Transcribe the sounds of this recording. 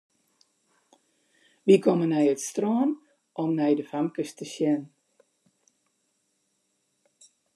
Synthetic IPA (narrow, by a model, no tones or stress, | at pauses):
ʋikʰɔmənɛjətstroːn | ʔɔmnɛjdəfamkəstəsjɛn